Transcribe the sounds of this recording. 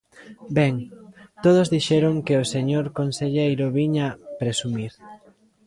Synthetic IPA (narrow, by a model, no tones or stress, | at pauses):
bɛŋt̪oð̞ozðiʃɛɾoŋkeoseɲoɾkonseʎejloβiɲapɾesumiɾ